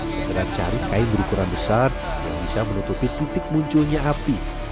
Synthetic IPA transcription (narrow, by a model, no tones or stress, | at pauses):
sət̪əɾaht͡ʃa̰ɾɪkaimbəɾukuɾanbəsar | ja̰ŋbisamənut̪upit̪it̪ɪk̚muɲt͡ʃʊlɲaapi